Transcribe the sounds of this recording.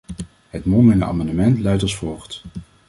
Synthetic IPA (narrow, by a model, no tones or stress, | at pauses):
ɦətmɔmənəa̰ːmɑndəmɛntlɛɥtɔsfɔlˠχt